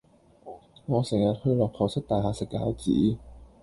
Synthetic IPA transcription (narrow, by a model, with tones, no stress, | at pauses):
ŋɔː˨˧sɛ˨˩ŋjɐ˨t̚hɵ˧ɥlɔː˨˩k̚pʰɐ˨˩wsɪ˥k̚t̪aː˨jɦaː˨˩sɪ˨kːaː˨˥wt͡sḭː˨˥